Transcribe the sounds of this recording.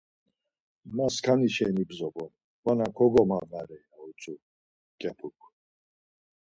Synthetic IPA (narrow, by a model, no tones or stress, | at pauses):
maskʰaniʃɛnibzɔbɔn | manakʰɔɡɔmanaɾɛjnaut͡sʼu | kʼɛpʰukʰ